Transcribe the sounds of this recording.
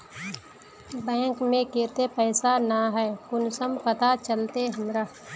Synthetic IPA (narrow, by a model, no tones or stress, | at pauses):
bɛ̃ːŋkmẽkeːt̪epɛːsanaɦɛːkʊnsəmpɐt̪at͡ʃəlt̪eɦɐmɾaː